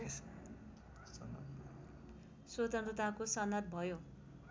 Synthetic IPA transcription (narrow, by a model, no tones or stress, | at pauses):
sʌnːa̰b | swot̪ʌnt̪rʌt̪akosʌnːʌt̪̚bʱʌjo